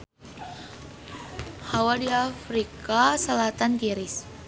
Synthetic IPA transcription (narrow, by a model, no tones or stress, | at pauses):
hawadiafɾikasəlat̪ankiɾɪs